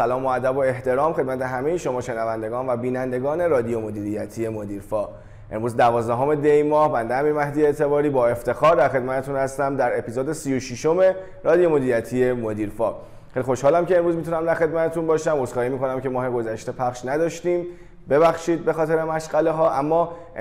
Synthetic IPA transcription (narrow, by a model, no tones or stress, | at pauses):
sælɒːmoæd̪æboe̞ht̪e̞ɾɒːmxe̞d̪mæt̪ʰe̞ɦæmejeʃo̞mɒːʃe̞nævænd̪e̞ɡɒːnvæbiːnænd̪e̞ɡɒːne̞ɾɒːd̪ijomod̪iːɾijæt̪ʰie̞mod̪iːɾfɒː | ʔe̞̰mɾuːzd̪ævɒːzd̪æɦo̞me̞d̪ejmɒːhbænd̪eæmimæhd̪ijeet̪ʰe̞bɒːɾiːbɒːe̞ft̪e̞xɒːɾd̪æɾxe̞d̪mæt̪ʰe̞t̪uːnhæst̪æmd̪æɾe̞piːzoːd̪esijoʃiʃo̞me̞ | ɾɒːd̪ijo̞mod̪iːɾijæt̪ʰiemod̪iːɾfɒː | xelixo̞ʃhɒːlæmceːmɾuːzmit̪ʰunæmd̪æɾxe̞d̪mæt̪ʰet̪unbɒːʃæmosxɒːhiːmiːko̞næmcʲʰemɒːheɡo̞zæʃt̪e̞pʰæχʃnæd̪ɒːʃt̪iːm | be̞βæxʃiːd̪̚be̞xɒːt̪ʰe̞ɾemæʃɢæle̞ɦɒːʔæmːɒː